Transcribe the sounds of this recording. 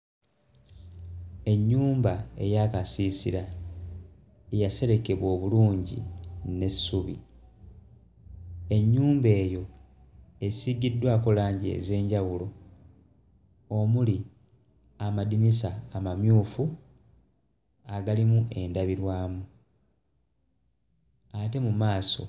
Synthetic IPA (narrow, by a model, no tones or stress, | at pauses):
e̞ɲːuːmbae̞jakasiːsiɾa | ejase̞ɾe̞ke̞βo̞ːβuluːɲɟḭne̞sːuβḭ | e̞ɲːuːmbe̞ːjo̞ | e̞siɡidːwako̞laːɲɟie̞̰ze̞ːɲɟawulo̞ | omuli | amadinis̬aːmamjuːfu | aɡalimuʔe̞ndaβiɾwaːmu | ate̞mumaːso̞̰